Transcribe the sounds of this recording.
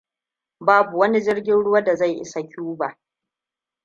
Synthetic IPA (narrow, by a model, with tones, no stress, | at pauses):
baː˦bu˨wɐ˦ni˦d͡ʒɪ˦rɡʲɪ˦nɽʊ˦waː˦da˨za˦˨jʔɪ̰˦sa˨kʲuː˦ba˨ʔ